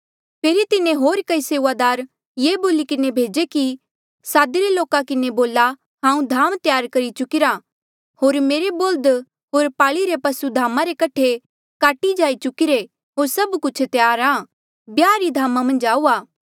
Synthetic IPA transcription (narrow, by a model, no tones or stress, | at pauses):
pʰeːɾit̪ɪnẽɦoːɾkɐiseːʋad̪aːɾ | jeːboːlikɪnebʱeːd͡ʒeki | saːd̪iɾeloːkakɪneboːla | ɦãːũd̪ʱaːmt̪jaːɾkɐɾit͡ʃʊkɪɾa | ɦoːɾmeːɾeboːld̪ | ɦoːɾpaːɭiɾepɐsud̪ʱaːmaɾekɐʈʰe | kaːʈid͡ʒaːit͡ʃʊkɪɾe | ɦoːɾsɐbkʊt͡ʃʰt̪jaːɾaː | bjaːɾid̪ʱaːmamɐ̃nd͡ʒaːuːaː